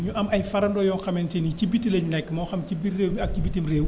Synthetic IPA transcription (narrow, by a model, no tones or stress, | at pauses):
ɲuʔɐmɐjfɐɾɐndɔːjɔːxɐmɛntɛnicibitːileɲnɛkːmɔːxɐmcibireːwɲiɐk̚cibitːimreːw